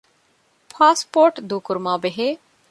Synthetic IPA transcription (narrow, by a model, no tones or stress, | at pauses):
pʰaːspoːɾʈd̪uːkʊɾmãːbeɦeː